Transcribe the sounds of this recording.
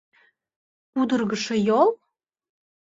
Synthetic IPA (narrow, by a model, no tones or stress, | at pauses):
ud̪ərɣəʃĕjol